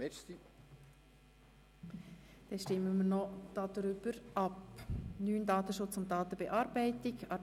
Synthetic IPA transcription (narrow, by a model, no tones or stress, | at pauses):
ɛti | d̥ɛnʃtɪmːəmənɔd̥ɑd̪̥ɾʏb̥əɾʔɑpnyːndɑːt̪əʃʊt͡sʊnt̚dɑːt̪əbɛʔɑːɾbɛɪtɪɡɑ